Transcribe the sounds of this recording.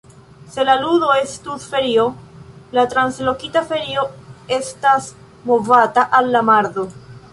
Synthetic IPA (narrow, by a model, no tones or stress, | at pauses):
se̞laludo̞e̞stusfe̞ɾio̞latɾanslo̞kitafe̞ɾio̞e̞stas | mo̞vataʔalːamaɾðo̞